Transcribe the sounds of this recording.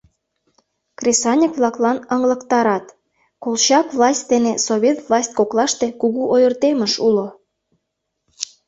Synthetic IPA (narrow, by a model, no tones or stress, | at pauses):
krʲesɑnʲəkβlˠɑklɑnəŋlə̆kt̪ɑɾɑt̪ | kolˠɕɑkvlˠɑsʲt̪̚ʲd̪enesoβʲet̪vlˠɑsʲt̪̚ʲkoklˠɑʃt̪e̽kuɣuʔojərt̪emə̆ʃulo